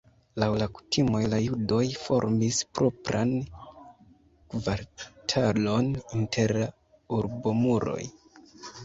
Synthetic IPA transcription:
lawlaku̥timo̞jlajudo̞jfo̞̰ɾmispɾʔo̞pɾan | kvaɾtʰalo̞nintʰe̞ɾla | uɾbo̞muɾo̞̰j

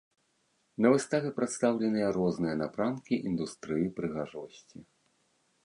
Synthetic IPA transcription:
nɐvɨst̪avʲɛpɾat̪st̪awlʲɛnɨjɐɾɔznɨjɐnapɾankʲiʔind̪ust̪ɾɨjipɾɨɣaʐɔsʲt͡sʲi

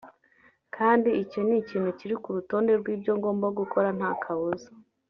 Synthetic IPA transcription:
kʰaːndiiconiciːn̤uciɾikuɾuto̞ːnde̞ɾɡwiːbɟo̞ŋɡo̞ːmboɡukʰo̞ɾan̥hakʰaβuzo̥

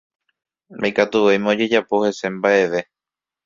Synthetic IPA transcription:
ɾa̰jkat̪uʋejmẽod͡ʒe̞d͡ʒapo̞he̞se̞mbaʔe̞ʋe̞

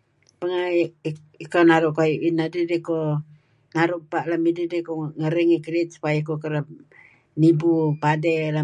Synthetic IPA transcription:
pəŋa | ikanaɾuʔkajuʔinadidiko | naɾuʔpaʔlamididikoŋəɾiŋikɾit̪̚su̥pajakokəɾəp̚ | nibupadɛla

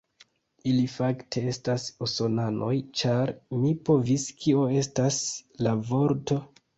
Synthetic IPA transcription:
ilifaktʰe̞e̞stasoso̞nanʔo̞jt͡ʃaɾmipo̞viskio̞e̞staslavo̞ɾto̞

